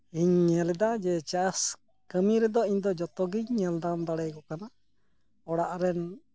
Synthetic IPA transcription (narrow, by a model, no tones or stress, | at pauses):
iɲːɛlɛd̪ad͡ʒɛt͡ʃas | kəmiɾɛd̪ɔiɲd̪ɔd͡ʒɔt̪ɔɡiɲːɛld̪and̪aɽɛjkɔkana | ɔɽaʔɾɛn